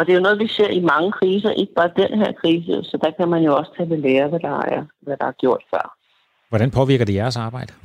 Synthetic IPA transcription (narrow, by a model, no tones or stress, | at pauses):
ɒd̥e̝jo̝nɔ̽ːð̞̩ˠʋise̝ɐ̰imɑ̈ŋəkʰʁiːs̬ɐʔe̝ɡ̥əb̥ɑ̈ːd̥enɦeɐ̰kʰʁiːs̬əsɒ̽d̥ɑ̈kʰæmænjo̝ɒ̽st͡sʰɛleleːɐʋæd̥ɑ̈æɐʋæd̥ɑ̈æɐɡ̥jo̝ɐ̰d̥fɶ̰ɐ̰ | ʋɒɾænpʰɒ̽ʋiɐɡ̥ɐd̥ejæɐsɑ̈ːbɑ̈ɪ̰d̥ə